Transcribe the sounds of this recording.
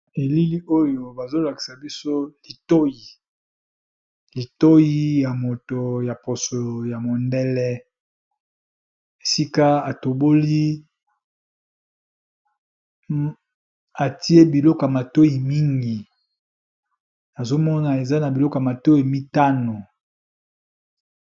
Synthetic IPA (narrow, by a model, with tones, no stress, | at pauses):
e˨li˦li˦o˦jo˨ba˨zo˦la˨ki̥˨sa˨bi˦so˦li˨to˦ji˨ | li˨to˦ji˦ja˨mo˨to˨ja˨po˨so˨ja˨mo˨ndɛ˦lɛ˦ | e˨si˦ka˦a˨to˨bo˦li˦ | a˨ti˦e˦bi˨lɔ˦kja˨ma˨to˦ji˨mi˦ŋɡi˨ | na˨zo˦mɔ˦na˨e˨za˦na˨bi˨lɔ˦ka˨ma˨to˦ji˨mi˦ta˦no˨